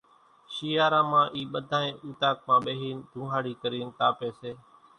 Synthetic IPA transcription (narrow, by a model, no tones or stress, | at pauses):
ʃiːaːɾãːmãːʔiːɓəd̪ʱãːẽːuːt̪aːk̚mãːɓeːɦiːnd̪ʱũːɦaːɽiːkəɾiːnt̪aːpeːseː